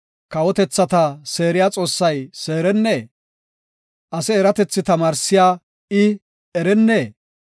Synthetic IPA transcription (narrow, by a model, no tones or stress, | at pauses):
kɐwɔt̪ɛt͡sːɐt̪ɐse̞ːɾɪjaːt͡sʼo̞ːsːɐjse̞ːɾɛnːeː | ʔɐsɛːɾɐt̪ɛt͡sːɪt̪ɐmaːɾsɪjaː | ɪ | ɛɾɛnːeː